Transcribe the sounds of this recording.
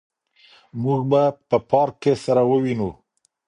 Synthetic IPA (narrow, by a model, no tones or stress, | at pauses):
muɡbapəpɑɾkːesaɾawəwinu